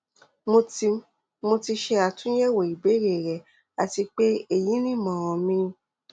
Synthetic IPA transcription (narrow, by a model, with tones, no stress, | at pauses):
mo˧ti˧ | mo˧ti˧ʃe˧a˨tũ˦jɛ˦˨wo˨i˨be˨˦ɾe˨ɾɛ˨ | a˨ti˧k͡pe˦e˦˨ji˨˦nĩ˦˨mã˨w̃ɔ̃˨mĩ˧˦